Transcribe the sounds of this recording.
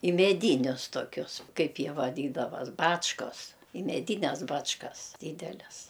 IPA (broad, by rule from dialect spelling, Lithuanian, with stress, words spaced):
ɪ mʲɛˈdʲiːnʲʊs toːˈkʲʊs ˈkɐɪp ˈjiɛ ʋɐˈdʲiːdɐʋɐs ˈbɑːt͡ʃkoːs ɪ mʲɛˈdʲiːnʲɛs ˈbɑːt͡ʃkɐs ˈdʲiːdʲɛlʲɛs